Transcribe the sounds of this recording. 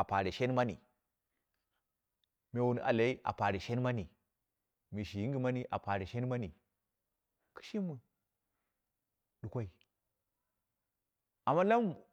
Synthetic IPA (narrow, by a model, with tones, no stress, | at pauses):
a˨pa˨ɾi˨ʃe˦n˦ma˦ni˨ | me˨wu˨n˨a̰˨la˨i˦ʔa̰˨pa˨ɾi˨ʃe˦n˦ma˦ni˨ | mi˨ʃi˨ji˦ŋɡi˨ma˦ni˦ʔa̰˨pa˨ɾi˨ʃe˦n˦ma˦ni˨ | ki̥˦ʃi˦mːu˨ | ɗu˨kʷa˦i˨ | a˨mːa˦la˦m